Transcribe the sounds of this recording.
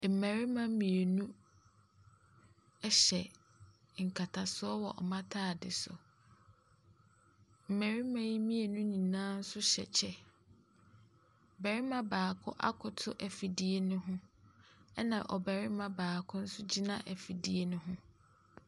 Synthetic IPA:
m̩˨mæ˨ɾɪ˦mã˦mĩ˨e˨nũ˦ | ɛ˦ɕɛ˨ | ŋ̩˨kʰa˨tʰa˨sʊ˦ɔ˦wɔ˨ʔɔ̰˨mã˦tʰaː˦˨dɪ̰˨sʊ̰˨ | m̩˨mæ˨ɾɪ˦mã˦ji˦mĩ˦e˨nũ˦nĩ˨nãː˦n̩˦sʊ˦ɕɛ̰˨t͡ɕʰɛ˦˨ | bɛ˨ɾɪ˦mã˦baː˨kʰʊ˦ʔa̰˦kʰʊ˨tʰʊ˦ʔæ˨fi˨di˦e˦nʊ̃˦ɦʊ̃˦ | ɛ˦nã˨ʔɔ˨bɛ˨ɾɪ˦mã˨baː˨kʰʊ̃˦n̩˦sʊ˦d͡ʑi˦nã̰˦ʔæ˨fi˨di˦e˦nʊ̃˦ɦʊ̃˦

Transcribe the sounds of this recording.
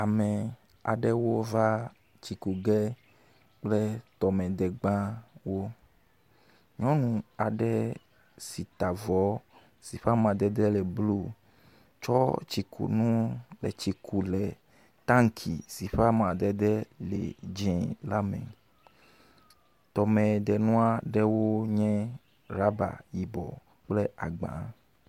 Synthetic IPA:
a˨mɛ̃˨ | a̰˨ɖɛ˦wo˦va˦ | t͡ʃi˨ku˨ɡɛ˦ | k͡plɛ˦t̪ɔ˨mɛ̃˨d̪ɛ˨ɡ͡bã˦wo˦ | ɲɔ̃˦nũ˨a˨ɖɛ˦ | si˨t̪a˨vɔ˨˦ | si˨ɸa˦mã˨d̪ɛ˦d̪ɛ˦lɛ˨blu˦ | t͡ʃɔ˦t͡ʃi˨kʰṵ˨nũ˦lɛ̰˨t͡ʃi˨kʰu˨lɛ˨ | t̪ã˦ŋ˦kʰḭ˨si˨ɸa˦mã˨d̪ɛ˦d̪ɛ˦lɛ̰˨d͡ʒɛ̃˨la˦mɛ̰̃˨ | t̪ɔ˨mɛ̃˨d̪ɛ˨nũ˦a˦ɖɛ˦wo˦ɲɛ̃˦ | ɾa˦ba̰˨ji˨bɔ̰˨ | k͡ple˦a̰˨ɡ͡bã̰˨˦

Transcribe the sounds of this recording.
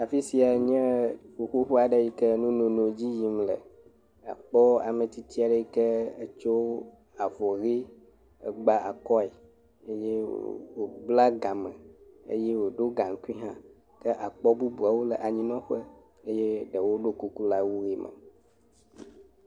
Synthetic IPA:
a˨fi˦si˨a˨ɲɛ̃˦ɸu˨xu˦ɸu˦a˨ɖə˦ji˦kə˦nũ˦nõ˨nõ˨d͡ʑi˦ji˨mlə̰˨ | a̰˨k͡pɔ˦a̰˨mə̃˨t̪i˦t̪i˦a˨ɖə˦ji˦kɛ˦ə˦t͡ʃo˦ | a˨vɔ˨ɣi˦ | ə̰˨ɡ͡ba˨ʔa̰˨kɔ˦e˨ | e˦jɛ˦wo˨bla˦ɡã˨mə̃˨ḛ˦je˦wo˨ɖo˦ɡa˨ŋ˨˦ku˦i˦ɦã˦ | kə˦ʔa˨k͡pɔ˦bu˦bu˨a˨wo˦lə˨ʔa˨ɲĩ˦nɔ̃˦ɸə˦ | ə˦jɛ˦ɖə˨wo˦ɖo˦ku˦ku˦la˦wu˦ɣi˦mə̰̃˨

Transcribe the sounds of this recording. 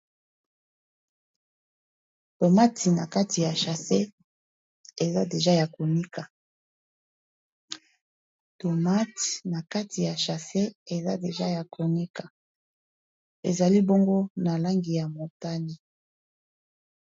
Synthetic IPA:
to˨ma˦tʰi˨na˨ka˦tʰi˨ja˨ʃa˨se˦ | e˨za˦de˨ʒa˦ja˨ko˨ni˦kʰa˨ | to˨ma˦ti̥˨na˨ka˦tʰi˨ja˨ʃa˨se˦e˨za˦de˨ʒa˦ja˨kʰo˨ni˦kʰa˨ | ḛ˨za˨li˦bo˦ŋɡo˦na˨la˦ŋɡi˨ja˨mo˨ta˦ni˨

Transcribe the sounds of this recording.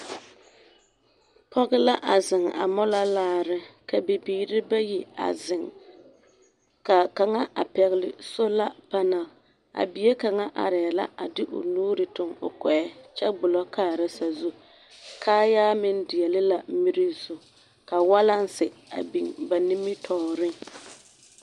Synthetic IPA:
pʰɔ˦ɣɪ˦la˦ʔa˨zɪ˨ŋa̰˨mɔ˦la˦laː˦ɾɪ˦ka˨be˨biː˨ɾɪ˦ba˦ji˨a̰˨zɪ˨ŋ | ka˨ka˨ŋa˦ʔa̰˨pɛ˨ɣɪ˨lɪ̰˨so˦la˦pa˦na˨l | a̰˨bi˨je˦ka˨ŋa˦ʔa̰˨ɾɛ˨la̰˦ʔa˨dɪ˦ʔʊ̰˨nuː˦ɾɪ˨tʊ˨ŋʊ̰˨kɛ˨ɛ˦t͡ʃɛ˦ɡ͡bʊ˨lɔ˦kʰaː˦˨ɾa˦sa˨zu˦ | kʰaː˦jaː˦mɪ˦ndɪ˨ɛ˨lɪ˦la˨mi˦ɾi˦zu˨ | ka˨wa˦la˦n˦sɪ˨a̰˨bi˨ŋba˨ni˦mɪ˦tʰɔː˨ɾɪ˦

